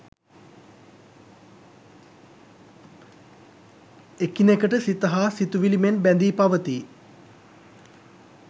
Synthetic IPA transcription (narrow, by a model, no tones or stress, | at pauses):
ekinekəʈəsit̪ɐɦaːsit̪uʋilimenbænd̪iːpaʋət̪i